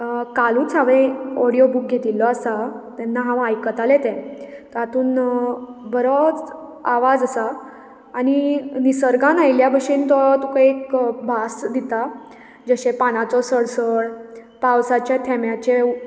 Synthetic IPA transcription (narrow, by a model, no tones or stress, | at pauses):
kalut͡saʋẽɔɽijobuːk̚ɡʱet̪ilːɔasat̪ɛ̃nːaɦãʋajkət̪alet̪ɛ̃t̪at̪uːn | bəɾɔt͡saʋad͡zəsaː | ñinisəɾɡãnajljabʱəʂĩnt̪ɔt̪ukaekbʱasd̪it̪a | d͡zəɕepanat͡sɔsəɽsəɭ | pawsat͡ɕjat̪ʰɛmjat͡ɕe